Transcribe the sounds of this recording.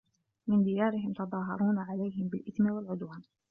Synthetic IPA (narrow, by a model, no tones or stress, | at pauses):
mɪnd̪ijɑːɾɪɦɪmt̪ɑd̪ˤɑːɦɑɾˤuːnaʕalajɦɪmbɪlʔɪθmɪwalʕʊd̪waːn